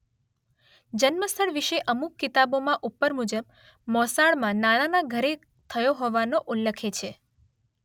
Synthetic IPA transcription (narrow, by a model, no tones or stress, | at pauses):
d͡ʒənməst̪ʰəɽʋiʃeʔəmukːit̪abomãʔupːəɾmud͡ʒəb̚ | mɔsaɭmãnananaɡʱəɾe | t̪ʰəjoɦɔʋanoʔulːəkʰet͡ʃʰe